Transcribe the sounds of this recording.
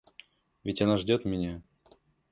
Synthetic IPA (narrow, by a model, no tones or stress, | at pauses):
vʲɪtʲanaʐdʲot̪mʲɪnʲa